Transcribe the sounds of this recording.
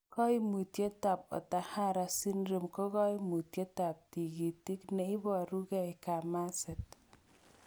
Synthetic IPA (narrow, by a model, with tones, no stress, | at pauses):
kɔ˦jmu˨t̪je˦t̪a˨p̚ɔ̰˨t̪a˨ha˦ɾa˨si˦nɾɯ˨mkɔ˦ɣɔ˦jmu˨t̪je˦t̪a˨p̚t̪i˨ɡi˨t̪i˦kne˨i˦bɔ˨ɾu˦ɡɛ˦jka˨ma˦set̪̚